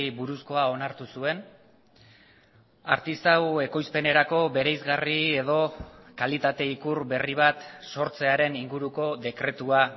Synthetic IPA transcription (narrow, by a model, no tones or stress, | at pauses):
buɾusko̞ao̞naɾt̪usue̞n | a̰ɾt̪ist̪awe̞ko̞jspe̞ne̞ɾako̞βe̞ɾejzɣarie̞ð̞o̞kalit̪at̪e̞ikuɾbe̞riβ̞at̪so̞ɾt͡se̞aɾe̞niŋɡuɾuko̞ðe̞kɾe̞t̪ua